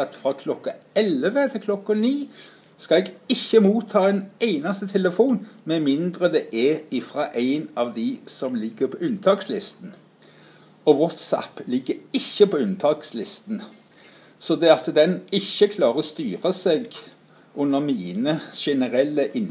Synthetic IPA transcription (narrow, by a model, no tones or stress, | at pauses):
ɑt̪fɾɑkʰlɔkːɑɛlʋət̪ʰɪlkʰlɔkːɑniː | skɑlɛːɡɪçːəmuːt̪ʰːɑːɛnæɪnɑst̪ət̪ʰɛləfuːnmɛmɪnd̪ɾəd̪ɛʔɛɪfɾɑːʔæɪnɑʋd̪ɪsɔmlɪɡːəɾpʰɔʉnt̪ʰɑːkslɪst̪n̩ | ɔʋɔt̪sæ̰pːlɪɡːəɾɪçːəpʰɔʉnt̪ʰɑkslɪst̪n̩ | sɔd̪ɛɑt̪d̪ɛnɪçːəkʰlɑːʁəst̪yːʁəsɛɡ | ʔʉnːəʁmiːnəʃɛnəɾɛlːəʔɪn